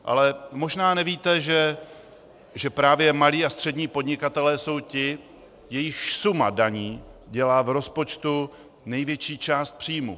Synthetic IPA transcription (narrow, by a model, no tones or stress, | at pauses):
ʔa̰lɛmo̞ʒnaːnɛviːt̪ɛʒɛ | ʒɛpɾaːvjɛmaliːast̪r̝̥ɛdɲiːpo̞dɲɪkat̪ɛlɛːso̞wcɪ | jɛjɪxsuma̰daɲiːɟɛlaːvɾo̞spo̞t͡ʃt̪u | nɛjvjɛt͡ʃiːt͡ʃaːst̪̚pr̥iːmṵ